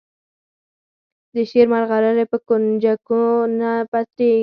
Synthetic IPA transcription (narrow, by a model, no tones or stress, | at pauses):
d̪əʃeɾmaɾɣaɾaɾapəkʊnd͡ʒakuonapat̪e